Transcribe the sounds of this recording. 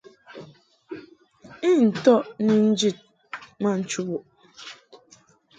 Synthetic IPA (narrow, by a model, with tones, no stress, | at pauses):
i˦n̩˨tɔ˦ʔni˨n̩˦d͡ʒi˦˨t̚ | ma˦n̩˨t͡ʃu˦bu˨ʔ